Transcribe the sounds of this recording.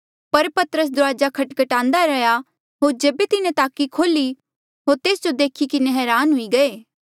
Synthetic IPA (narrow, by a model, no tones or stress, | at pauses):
pɐɾpɐt̪əɾəs̬d̪ʊɾaːd͡ʒakʰɐʈkɐʈãːnd̪aɾɐja | ɦoːɾd͡ʒeːbet̪ɪnẽt̪aːkikʰoːli | ɦoːɾt̪eːsd͡ʒod̪eːkʰikɪneɦɛːɾaːnɦʊiɡɐeː